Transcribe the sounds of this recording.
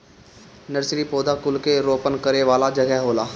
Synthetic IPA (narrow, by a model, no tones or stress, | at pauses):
nəɾsɾipoːd̪akʊlkeɾoːpənkəɾeʋaːlad͡ʒɐɡɛɦɦoːlaː